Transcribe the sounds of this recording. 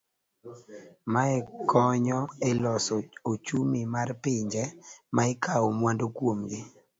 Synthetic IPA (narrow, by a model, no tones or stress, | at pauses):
maɛkɔɲɔɛlɔsɔot͡ʃumimarpɪɲd͡ʒɛmʔaɛkaomwandokwomɡɪ